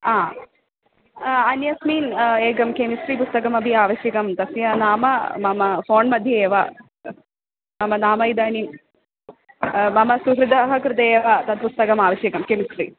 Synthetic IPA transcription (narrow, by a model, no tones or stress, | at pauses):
aː | ɐnjɐsmiːneːɡɐmkemisʈɾipust̪ɐkɐmɐbʱiaːʋɐʃjɐkɐmt̪ɐsjɐnaːmɐ̰mɐmɐfoːnmɐd̪ʱjɐeːʋa | mɐmɐnaːmɐjid̪aːnim | mɐmɐsuɦɾɪd̪ʱɐːɦɐkɾɪt̪ɐeːʋat̪ɐt̪̚pust̪ɐkɐmaːʋɐʃjɐkɐmkemisʈɾḭ